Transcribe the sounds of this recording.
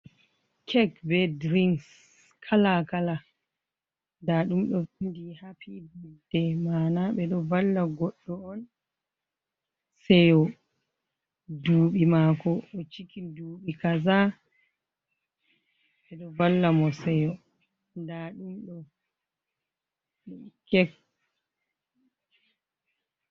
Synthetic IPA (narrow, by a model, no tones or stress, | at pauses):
kʰɛkbɛdɾiŋs | kʰalakala | daɗumɗɔindihapibidɛmaːnaɓɛɗɔvalːaɡɔɗːɔɔn | sɛjɔ | duːɓimakɔʔɔt͡ʃikiduːɓikaza | ɓɛɗɔvalːamɔsɛjɔ | ndaɗumɗɔ | niikːɛk